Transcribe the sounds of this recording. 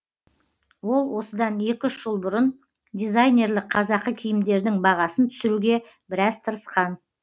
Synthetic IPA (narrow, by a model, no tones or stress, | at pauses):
wo̞lˠwo̞səd̪ɑne̞kʲɪʏʃʒ̥əlˠbʊɾən | d̪ʲijzajne̞ɾlˠɪqqʰɑzɑqəkʲʰijɪmd̪e̞ɾd̪ɪŋbɑʁɑsənt̪ʰʏ̥sɪɾuɡʲe̞ | bɪɾɑzt̪ʰəɾəsqɑn